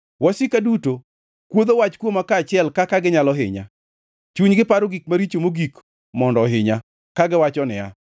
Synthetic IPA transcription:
wɔsɪkaduto | kwod̪owat͡ʃkwomakaːt͡ʃɪɛlkakaɡɪɲalɔɦɪ̰ɲa̰ | t͡ʃuɲɡɪpaɾoɡik̚maɾit͡ʃomoɡik | mɔndɔɦɪɲa | kaɡɪwat͡ʃɔnɪ̰ja

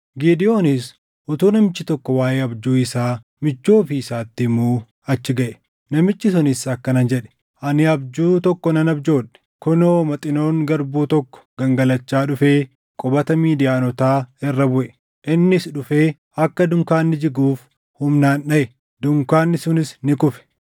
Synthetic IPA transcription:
ɡiːd̪ɪjo̞ːnɪs | ʔʊt̪uːnɐmɪt͡ʃːɪt̪ɔkːɔwaːjeːɐbd͡ʒuːɪsaː | mɪt͡ʃːo̞ːfiɪsaːt̪ːɪmuː | ɐt͡ʃːɪɡɐʔɛ̥ | nɐmɪt͡ʃːɪsʊnɪsɐkːɐnɐnd͡ʒɛᶑɛ̥ | ʔɐnɪɐbd͡ʒuːt̪ɔkːɔnɐnɐbd͡ʒo̞ːᶑɛ̥kɔnoːmɐt̪ʼɪno̞ːŋɡɐɾbuːt̪ɔkːɔ̥ɡ̥ɐŋɡɐlɐt͡ʃːaːᶑʊfeː | kʼɔbɐt̪ɐmiːd̪ɪjaːnɔt̪aːɛrːɐbʊʔɛ | ʔɪnːɪsᶑʊfeː | ɐkːɐd̪ʊŋkaːnːɪd͡ʒɪɡuːf | hʊmnaːnɗɐʔɛ | d̪ʊŋkaːnːɪsʊnɪsnɪkʊfɛ̥

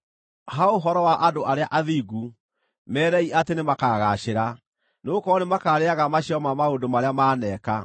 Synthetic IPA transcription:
ɦaoɦɔɾɔwaʔadoʔaɾeaʔaðiːɡu | mɛːɾɛiatenemakaɣaɕeɾa | noːkɔnemakaːɾeaɣamaɕiɔmamaodomaɾeamaːnɛka̰

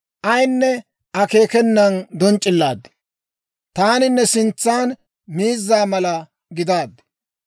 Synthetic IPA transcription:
ʔɐjnːɛ | ʔɐke̞ːkɛnːɐnd̪ɔnt͡ʃʼːɪlːaːd̪ | t̪aːnɪnːɛsɪnt͡sːaːn | miːzːaːmɐlɐ | ɡɪd̪aːd̪ː

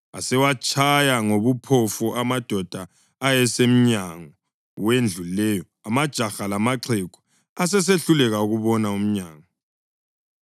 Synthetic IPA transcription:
a̰sɛwat͡ʃʼʰajaŋoβupʰɔfuʔamad̥ʱɔd̥ʱaː | jɛsem̩ɲaŋɔ | wend͡ɮʱullɛːjɔ | amad̥ʒ̥ʱaxalamaǁʰɛɡ̥ʱɔ̥ | as̬ɛs̬eɬulɛɣauɣuβɔnaum̩ɲaːŋɔ

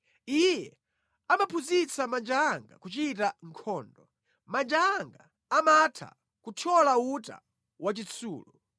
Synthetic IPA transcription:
ijɛ | amapʰuzit͡sʰamand͡ʒaŋɡa̰kut͡ʃitaŋ̩kʰɔːndɔ | mand͡ʒaŋɡa | amatʰa̰ | kutʰɔlauta̰ | wat͡ʃit͡sʰṵːlɔ

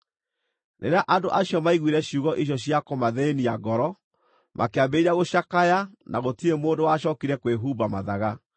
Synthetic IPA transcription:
nʔḛɾeaʔandoʔaɕjɔmaiɣwiɾɛɕjuːɣɔʔiɕ̬ɔɕjakomaðɛeniaɡɔɾɔ | mʔakeabeiɾaɣoɕakajanaɣotiemoːndowaɕɔːkiɾɛkweɦubamaðaɣa

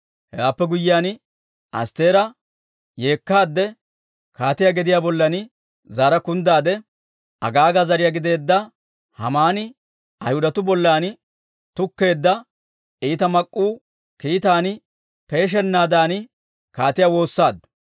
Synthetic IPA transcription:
hɛɡaːpːɛɡʊjːɪjaːn | ʔɐ̰st̪e̞ːɾɐ | je̞ːkːaːd̪ːɛ | kaːt̪ɪjaːɡɪd̪ɪjaːbɔlːɐnɪ | zaːɾɐkʊnd̪aːd̪ɛ | ʔɐ̰ɡaːɡazɐɾɪjaɡɪd̪e̞ːd̪ːɐ | hɐ̰maːnɪ | ʔɐjhʊd̪ɐt̪ʊbɔlːaːn | t̪ʊkːe̞ːd̪ːɐ | iːt̪ɐmɐkʼːuː | kiːt̪aːn | pe̞ːʃ̬ɛnːaːd̪aːnɪ | kaːt̪ɪjawo̞ːsːaːd̪ːʊ̥

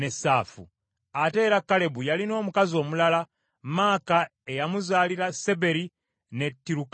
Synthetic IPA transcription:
nesafṵ | ate̞ːɾakale̞bujalino̞ːmukazio̞ːmulala | maːkaejamuzaːliɾase̞be̞ɾi | netːiɾuk

